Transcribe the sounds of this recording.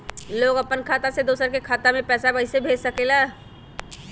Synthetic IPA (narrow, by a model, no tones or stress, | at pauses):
loːɡɐpənkʰaːt̪ased̪oːsəɾkekʰaːt̪amẽpɛːsabəɪsebʱeːd͡ʒsəkelaː